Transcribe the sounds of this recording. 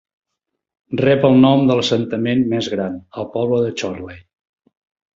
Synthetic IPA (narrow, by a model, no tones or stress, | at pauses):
rɛpəlˠnɔmd̪ələsənt̪əmenmɛzɣɾanəlˠpɔβləðət͡ʃɔɾlej